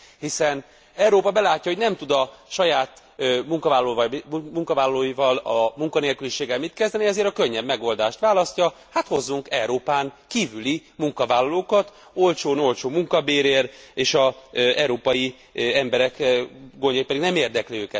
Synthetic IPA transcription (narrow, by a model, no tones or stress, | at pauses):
hisɛn | ɛwɾoːpɒbɛlaːcːɒɦo̞ɟnɛmt̪ud̪ɒʃɒjaːt̪ | muŋkɒvaːllːmuŋkɒvaːlːɒloːjivɒlɒmuŋkɒneːlkyliʃeːɡɛlmit̪kɛzd̪ɛniɛzeːɾɒkøɲːɛbmɛɡo̞ld̪aːʃt̪ʋaːlɒscɒ | hat̪ho̞zːuŋkɛwɾoːpaːŋkiːvylimuŋkɒvaːlːɒloːkɒt̪ | olt͡ʃoːno̞lt͡ʃoːmuŋkɒbeːɾeːreːʃɒɛɾoːpɒji | ɛmbɛɾɛkɡoɲɟojipɛd̪iɡnɛmeːrd̪ɛkliøːkɛt̪